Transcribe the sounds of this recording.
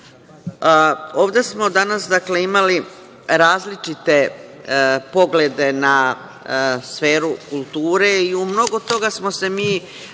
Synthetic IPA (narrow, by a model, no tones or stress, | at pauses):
oːʋd̪e̞smo̞d̪anasd̪akle̞imali | ɾaːzlit͡ʃit̪e̞ | po̞ɡle̞d̪e̞na | sfe̞ːɾukulˠt̪uːɾe̞iumno̞ɡo̞t̪o̞ɡasmo̞se̞miː